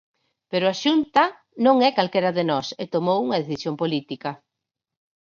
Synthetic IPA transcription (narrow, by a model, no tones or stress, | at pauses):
peɾʊaʃunt̪ɐ | nõŋɛkalkɛɾɐðenɔset̪omowuŋɐðeθisjompolit̪ikɐ